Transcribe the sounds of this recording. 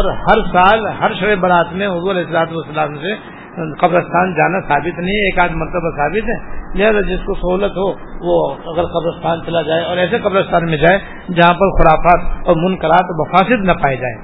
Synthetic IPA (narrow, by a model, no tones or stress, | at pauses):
ɔːɾhɐɾsaːlɦɐɾʃɐɽebɐɾaːt̪mẽɦʊzuːɾɐlɛːɪsəlaːt̪uɐsːɐlaːmse | qɐbɾəst̪ʰaːnd͡ʒaːnasaːbɪt̪nɐɦĩeːkaːd̪mɐɾt̪əbasaːbɪt̪ɦɛ̃ːd͡ʒɛɦsad͡ʒɪskosɐɦuːlət̪ɦoʋoɐɡəɾqɐbɾəst̪ʰaːnt͡ʃɐlad͡ʒaːeɔːɾɛːseqɐbɾəst̪ʰaːnmẽd͡ʒaːe | d͡ʒɐɦãpɐɾxʊɾaːfaːt̪ɔːɾmʊnkəɾaːt̪mɐfaːsɪd̪nɐpaːed͡ʒaːḛː